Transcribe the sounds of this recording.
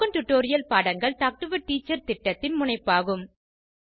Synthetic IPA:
ɐnʈʊʈːoːɾɪjɐlpaːɽɐŋɡɐɭʈaːk̚ʈɯʋɐʈːiːt͡ʃːɐɾt̪ɪʈːɐt̪ːɪnmʊɳɐɪpːaːɣɯm

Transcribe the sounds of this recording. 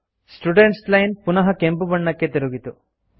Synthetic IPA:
sʈuɖeɳʈslɐjnpunɐɦɐkempubɐɳːɐkːe̞t̪iɾuɡit̪u

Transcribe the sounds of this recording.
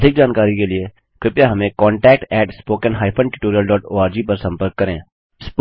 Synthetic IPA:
d̪ʱɪk̚d͡ʒaːnkaːɾikelie | kɪpjaɦɐmẽkɔːɳʈɛːk̚ʈɛːʈspoːkənɦaːɪpʰə̃ɳʈɪʈoːɾijəlɖɔːʈo̰ːaːɾd͡ʒiːpɐɾsɐ̃mpəɾkːɐɾḛ̃ː | sp

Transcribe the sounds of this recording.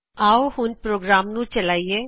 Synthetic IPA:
aːohʊnpɾoːɡɾaːmnũːt͡ʃəlaːieː

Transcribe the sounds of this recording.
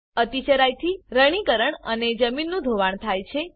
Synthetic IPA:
ət̪it͡ʃəɾajt̪ʰiɾəɽ̃ikəɾəɳəned͡ʒəminːũd̪ʱoʋaɳ̃t̪ʰajt͡ʃʰe

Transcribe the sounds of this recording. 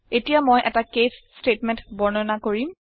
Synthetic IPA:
etijamojʔɛtakesːtetmɛ̃ntbɔɹnɔnakoɹim

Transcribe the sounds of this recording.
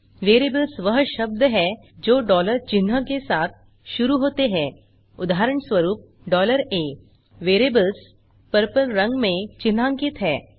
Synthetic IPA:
ʋeːɾeːbəlsʋəɦʃəb̚d̪ʱəɦɛ | d͡ʒoːɖɔːləɾt͡ʃɪnɦəkesaːt̪̚ʰ | ʃʊɾuɦoːt̪eɦɛ̃ː | ʊd̪aɦaɾəɳsʋəɾuːp̚ | ɖɔːləɾeː | ʋeːɾeːbəls | pəɾpəɾːɐ̃ŋɡmẽt͡ʃɪn̤ɦãŋkɪt̪ɦɛː

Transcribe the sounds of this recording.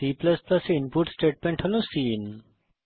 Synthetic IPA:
iːplɐsplɐseɪnpuʈsʈeːʈ̚mẽɳʈhɐlũsiːn

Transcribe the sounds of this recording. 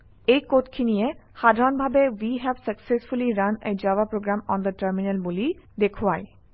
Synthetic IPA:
ejkot̪kʰinijeʃad̪ʱaɾonbʱabewiɦɛbsəksesfuliɾanḛjd͡ʑawapɾoɡɾamɔnd̪əʈəɾminelbulid̪ekʰoae

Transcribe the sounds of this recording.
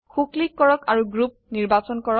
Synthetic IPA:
xuklikːɔɹɔkaɹuɡɹup̚niɹbasɔnkɔɹɔ

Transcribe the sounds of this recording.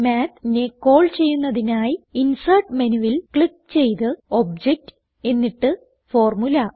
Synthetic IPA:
maːt̪nekːo̞ːɭt͡ɕe̞jːunːɐðinaːjinsɐrʈmɐnuʋilkɭik̚ːt͡ɕe̞jt̪ɨo̞b̚d͡ʑek̚t | e̞nːiʈːɨ | fo̞ːrmulɐ

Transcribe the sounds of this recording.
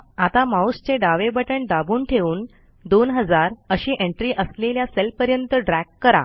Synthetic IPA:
at̪amaust͡ɕeɖaʋebəʈəɳɖabuːnʈʰeuːn | d̪onɦəd͡zaɾəɕiːʔeɳʈɾiːʔəsleljaselpəɾjənt̪əɖɾækːəɾa̰

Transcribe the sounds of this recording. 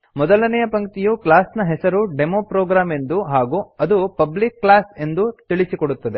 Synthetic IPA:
mɔd̪ɐlɐnɛjɐpɐŋkt̪ijuklaːsnɐɦɛsɐɾuɖemoːpɾɔːɡɾaːme̞nd̪uɦaːɡuɐd̪upɐblikːlaːse̞nd̪ut̪iɭisikoɽut̪ːɐd̪e̞

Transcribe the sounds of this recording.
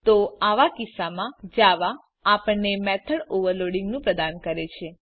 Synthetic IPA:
t̪oaʋakisamãd͡ʒaʋaː | pəɳːemɛt̪ʰəɽoʋəɾloɽĩŋɡnũpɾəd̪ankəɾet͡ʃʰe

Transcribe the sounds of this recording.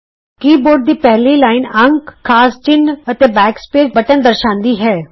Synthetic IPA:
kiːboːɾɖ̚d̪iːpɛɦliːlaːɪnəŋɡkkʰːaːst͡ʃɪnət̪eːbɛːkspeːd͡ʒbəʈənd̪əɾʃãːnd̪iːɦɛː

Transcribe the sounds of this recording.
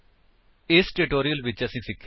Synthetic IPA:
ɪsʈɪʈoːɾiəlʋɪt͡ʃɐsĩsɪkʰː

